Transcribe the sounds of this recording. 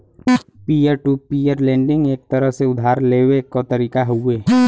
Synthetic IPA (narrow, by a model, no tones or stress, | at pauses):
piːəɾʈupiːjəɾlɛ̃ːɳɖɪ̃ŋɡeːk̚t̪əɾəɦseʊd̪ʱaːɾleːwekot̪əɾiːkaɦʊeː